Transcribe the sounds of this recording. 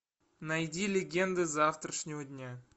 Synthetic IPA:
najd̪ʲilʲeɡʲe̞nd̪əzaft̪rəʂnʲowd̪ʲnʲe

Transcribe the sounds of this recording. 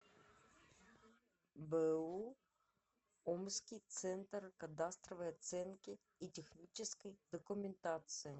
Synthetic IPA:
bɛu | ɔmsʲkʲɪjt̪sɛnt̪rkɐd̪ast̪ɾɔʋɐjɐt̪sɛnkʲɪ | itʲexnʲit͡ʃɪsʲkɪjd̪ɔkʊmʲent̪at̪sɨji

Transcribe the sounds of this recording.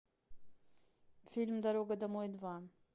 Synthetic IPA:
filʲmd̪aɾoɡad̪amojd̪va

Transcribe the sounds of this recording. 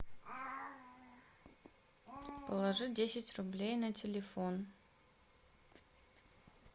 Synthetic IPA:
pəlˠɐʐɨdʲesʲɪtʲrʊblʲejnɐtʲɪlʲɪfon

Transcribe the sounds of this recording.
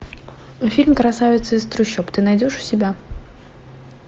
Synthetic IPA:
fʲilʲmkɾasavʲɪt̪sɨist̪ɾʊɕʲːɔpt̪ɨnajdʲɔʂʊ̥sʲɪbʲa

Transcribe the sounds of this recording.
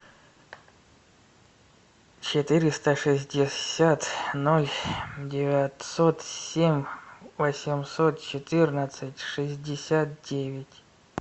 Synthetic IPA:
t͡ɕɪt̪ɨɾʲɪst̪əʂɨsʲdʲɪsʲat̪nolʲdʲɪvʲat̪sot̪ssʲemʲvəsʲɪmsot̪̚t͡ɕɪt̪ɨrnət̪sɨtʲʂɨzʲdʲɪsʲat̪̚dʲevʲɪtʲ

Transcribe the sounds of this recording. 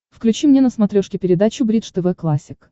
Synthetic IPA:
fklʲʉt͡ɕimnʲenəsmɐt̪ɾʲoʂkʲɪpʲɪɾʲɪd̪at͡ɕʊbɾʲid̪ʂt̪ɛvɛklˠasʲːɪk

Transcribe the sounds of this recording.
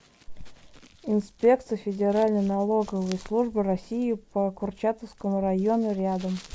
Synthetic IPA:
ɪnspʲek̚t̪sɨjəfʲɪdʲɪɾalʲnəjnɐlˠo̞ɡəvəjslˠuʐbɨɾɐsʲijɪpəkʊrt͡ɕat̪əfskəmʊɾɐjonʊɾʲad̪əm

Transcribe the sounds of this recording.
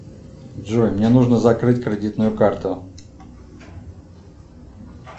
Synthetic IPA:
dʐojmnʲenuʐnəzɐkɾɨtʲkɾʲɪdʲit̪nʊjʊkart̪ʊ

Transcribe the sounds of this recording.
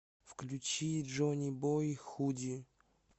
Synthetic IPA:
fklʲut͡ɕiʐonʲibojixudʲi

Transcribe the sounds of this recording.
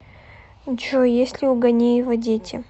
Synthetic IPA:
t͡ɕojesʲlʲɪʊɡɐnʲejɪvɐdʲetʲʰɪ̰

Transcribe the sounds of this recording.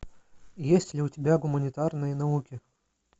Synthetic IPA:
jesʲtʲlʲɪʊtʲɪbʲaɡʊmɐnʲɪt̪arnɨjənɐukʲi

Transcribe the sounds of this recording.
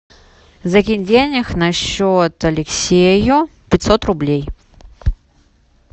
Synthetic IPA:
zɐɡʲinʲdʲenʲɪxnɐɕːot̪ɐlʲɪksʲejʊpʲɪt̪ʲsot̪rʊblʲej

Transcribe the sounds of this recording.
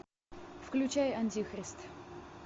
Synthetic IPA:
fklʲʉt͡ɕajɐnʲtʲixɾʲɪst̪

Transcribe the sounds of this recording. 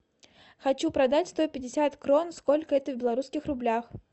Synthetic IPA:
xɐt͡ɕupɾɐd̪atʲst̪o̞pʲɪdʲɪsʲat̪kɾo̞nsko̞lʲkəɛt̪əvʲbʲɪlˠɐɾuskʲɪxrʊblʲax

